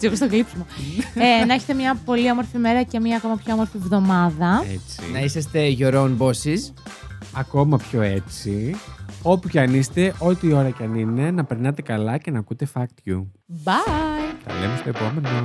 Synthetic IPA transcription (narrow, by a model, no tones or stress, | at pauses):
siɣostoɣlipsimoenɐeçet̪e̞mɲɐpo̞liomo̞ɾfime̞ɾɐce̞mɲɐːko̞mɐpçoomo̞ɾfivðo̞mɐðɐḛt͡sḭnɐisɐst̪e̞ʝo̞ɾo̞nbo̞sis | ɐko̞mɐpço̞e̞t͡si | o̞pucɐnist̪e̞ʔo̞t̪iːo̞ɾɐcɐnine̞nɐpe̞ɾnɐt̪e̞kɐlɐce̞nɐkut̪e̞fɐkt̪çu | bɐjt̪ɐ̰lemest̪o̞epo̞me̞no̞